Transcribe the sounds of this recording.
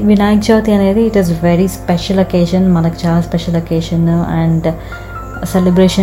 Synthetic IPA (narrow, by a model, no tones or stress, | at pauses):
ʋinaːjk̚t͡ʃaːʋt̪iɐneːd̪ɨːʈizʋeɾispeʃɐlokeːʃɐ̃nmɐnɐkt͡ɕaːlaspeʃɐlokeːʃɐnæ̃ɳɖ | selibɾeːʃɐ